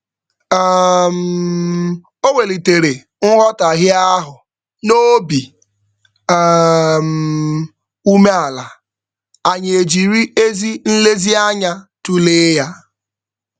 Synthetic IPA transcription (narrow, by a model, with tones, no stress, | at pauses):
m̩˨ | o˦ŋe˨li˨te˨ɾe˨ | ŋ̩˦ɦɔ˦ta˨ɦɪ˦a˦ɦʊ˨ | no˦bi˨ | m̩˨ | u˦me˦a˨la˨ | a˨ɲ˨e˨d͡ʒi˨ɾi˦e˦zi˦n̩˦le˦zi˦a˦ɲa˦tu˦leː˦ja˦